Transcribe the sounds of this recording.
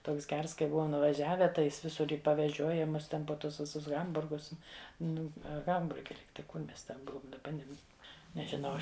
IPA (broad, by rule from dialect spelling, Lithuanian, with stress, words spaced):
ˈtoːks ˈɡʲɛrs kɐɪ ˈbʊʋoːm nʊʋɐˈʒʲæːʋʲɛ tɐɪ ˈjɪs ˈʋʲɪsʊr ɪ pɐʋʲɛˈʒʲoːjɛ ˈmʊs ˈtʲɛn poː ˈtʊs ˈʋʲɪsʊs ˈɣɐmbʊrɡʊs ˈnʊ ɐ ˈɣɐmbʊrʲɡʲɛ ˈlʲiːktɐɪ ˈkʊr ˈmʲɛs tʲɛn ˈbʊʋʊm dɐˈbɐ ˈnʲɛm nʲɛʒʲɪˈnɐʊ ˈɐʃ